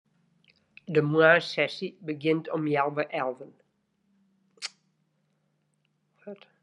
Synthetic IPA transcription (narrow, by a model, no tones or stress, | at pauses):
dəmwasɛsibəɡɪ̃ntʰɔmjɛlˠvəʔɛlˠvən